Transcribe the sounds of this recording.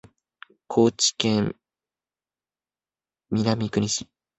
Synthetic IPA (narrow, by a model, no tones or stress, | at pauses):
kʰo̞ːt͡ɕi̥kẽm | mʲiɾamʲikɯ̟ɾ̟ʲiɕi